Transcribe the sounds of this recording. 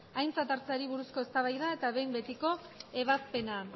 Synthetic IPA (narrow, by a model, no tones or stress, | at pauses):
ajnt͡sat̪aɾt͡saɾiβ̞uɾusko̞e̞st̪aβajðae̞t̪aβe̞jmbe̞t̪iko̞e̞β̞aspe̞na